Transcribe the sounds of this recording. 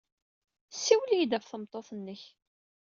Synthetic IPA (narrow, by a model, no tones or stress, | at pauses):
sːiwlijd̪æfθəmt̪ˤːoθˤənːəç